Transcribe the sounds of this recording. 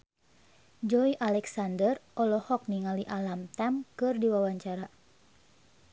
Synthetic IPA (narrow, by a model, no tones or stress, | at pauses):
d͡ʒɔiʔalɛksandərʔɔlɔhɔk̚niŋaliʔalamt̪ɛmkɨrdiwawaɲt͡ʃaɾa